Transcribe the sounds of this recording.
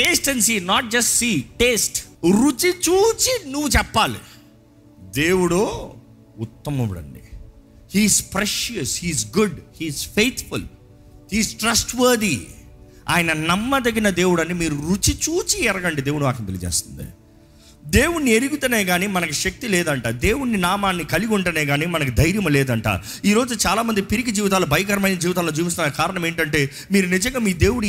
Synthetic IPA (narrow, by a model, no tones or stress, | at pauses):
ʈeːsʈɐnsiːnaːʈ̚d͡ʒɐsʈsiːʈeːsʈɾut͡ʃit͡ʃuːt͡ʃinuʋːut͡ʃɛpːaːlḭ | d̪eːwuɽo | ut̪ːɐmɐʋɽɐ̰ɳɖḭ | hiːzpɾɛʃjɐshiːzɡuɖhiːzpejt̪ʰfṵl | hiːzʈɾɐsʈʋɐːɾd̪i | a̰ːjɐnɐnɐmːɐd̪ɐɡinɐd̪e̞ːwuɽɐnːimiːɾuɾut͡ʃit͡ʃuːt͡ʃiɛɾɐɡɐɳɖid̪e̞ːwuɽumaːkɐnit̪el̰iːd͡ʒḛːst̪u̥nd̪ḭ | d̪eːwuɳːieɾiɡut̪uneːɡaːniːmɐnɐkuʃɐk̚t̪ilɛːd̪ɐɳʈaːd̪eːwunːinaːmaːnːikɐliɡuɳʈɐneːɡaːniːmɐnɐk̬ud̪ɐjɾjɐmɐlɛːd̪ɐɳʈa̰ːɾu | iːɾo̞ːd͡ʒut͡ʃaːlaːmɐnd̪ipiɾiɡid͡ʒiːʋit̪aːlɐbʱɐjk̬ɐɾɐmɐjnɐd͡ʒiːʋit̪̬aːlod͡ʒiːʋist̪unːɐkaːɾɐɳɐme̞ːɳʈɐʈe̞ː | miːɾunid͡ʒɐŋɡaːmiːd̪e̞ːwuɽ